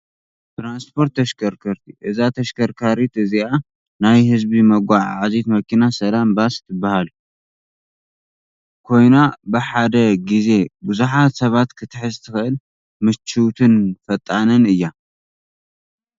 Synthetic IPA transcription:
t̪ɾanspʰo̞ɾt̪ːɐʃkʰɐɾkʰɐɾt̪ʰiʔɨzat̪ʰɐʃkʰɐɾkʰaɾit̪ɨzia | najhɨzbimɐɡʷaʕʕazit̪mɐkʰinasɐlambast̪ʰːɨbːahalu | kʰo̞jnabɨħad̪ɐɡize̞bɨzuħat̪sɐβat̪kʰɨt̪ʰɨħɨzt̪ʰɨxɨʔɨl | mɨt͡ʃːut̪ʰɨnfɐt̪ʼːanɐnɨjːa

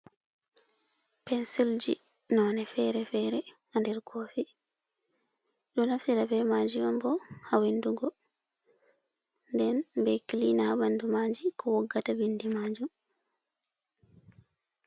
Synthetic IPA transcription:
pɛnsild͡ʒi | nɔnɛfɛɾɛfɛɾɛhandɛɾkʰoːfi | ɗunafiɾabɛmaːd͡ʒijɔmbɔhawenduɡɔ | ndɛnbɛkilinahabandumad͡ʒikʰɔwɔɡːatabindimaːd͡ʒum

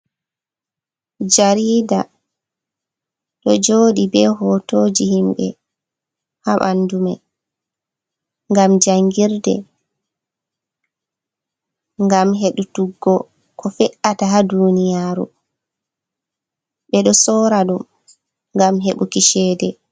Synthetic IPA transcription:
d͡ʒaɾiːda | ɗɔd͡ʒoːɗibɛɦɔtoːd͡ʒihimɓɛ̰ | haɓa̰ndumɛ | ŋɡamd͡ʒaŋɡiɾdɛ̰ | ŋɡamɦeɗutuɡːɔ | kʰɔfɛʔataɦadunijaːɾṵ | ɓɛɗɔsɔːɾaɗum | ŋɡamɦeɓukiʃɛːdɛ

